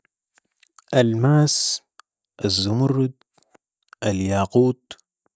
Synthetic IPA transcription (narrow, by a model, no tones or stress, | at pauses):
ʔalmaːs | ʔazːʊmʊrd̪ | ʔaljaːquːt̪̚